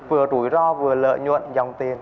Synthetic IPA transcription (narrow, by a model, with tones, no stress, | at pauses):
vɨ˨˩ət̪u˨˦jzɔ˧vɨ˨˩ələ̰ː˧˨jɲwə̰˧˨nza˨˩wŋ͡mt̪i˨˩ən